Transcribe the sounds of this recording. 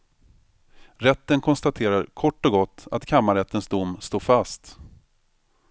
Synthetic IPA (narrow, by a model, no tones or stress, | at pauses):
ɾɛt̪ːənkʰɔnst̪at̪ʰeːɾaɾkʰɔʈːɔɡɔt̪ːa̰t̪kʰamːaɾɛt̪ːənsd̪ʊmːst̪oːfast̪